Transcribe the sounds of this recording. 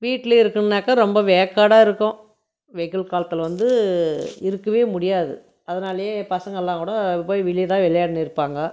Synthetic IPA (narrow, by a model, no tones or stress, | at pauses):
ʋiːʈːɪleɪɾɯkːɯnnaːkːɐɾɔmbɐʋɛːɐkːaːɽaːɪɾɯkːʊ̃ | ʋɛkːɐlkaːlɐt̪ːɪlɐʋɐnd̪ɯ | ɪɾɯkːɐʋeːmʊɽɪjaːðɯ̰ | ɐðɐnaːlɐjeːpɐsɐŋɡɐɛlːãːkuːɽɐpoːjʋɪɭɪjt̪ãːʋɛɭɐjaːɽɯnɪɾɯpːaːŋɡɐ